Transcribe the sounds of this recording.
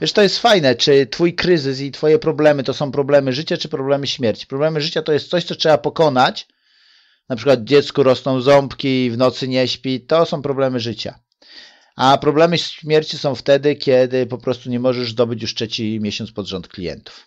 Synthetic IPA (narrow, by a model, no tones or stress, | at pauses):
vʲjɛʂt̪ɔjɛst̪fajnɛt͡ʂɘt̪fujkɾɘzɘs̬it̪fɔjɛpɾɔblɛmɘt̪ɔsɔ̃w̃pɾɔblɛmɘʐɘt͡ɕat͡ʂɘpɾɔblɛmɘɕmʲjɛɾt͡ɕi̥pɾɔblɛmɘʐɘt͡ɕat̪ɔjɛst̪sɔɕt̪sɔtʂɛbapɔkɔnat͡ɕ | napʂɘkwad̪̚d͡ʑɛt̪skɔɾɔsnɔ̃w̃zɔmpkʲivnɔt̪sɘɲɛɕpʲit̪ɔsɔ̃w̃pɾɔblɛmɘʐɘt͡ɕa̰ | ʔapɾɔblɛmɘɕmʲjɛɾt͡ɕisɔ̃w̃ft̪ɛd̪ɘkʲɛd̪ɘpɔpɾɔst̪uɲɛmɔʐɛʐzd̪ɔbɘt͡ɕjuʂtʂɛt͡ɕimʲjɛɕɔnspɔd̪ʐɔnt̪klʲijɛ̰nt̪u̥f